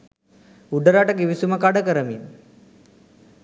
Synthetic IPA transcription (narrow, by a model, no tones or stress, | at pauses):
uɖəɾaʈəkiʋisumakaɖəkəɾəmḭn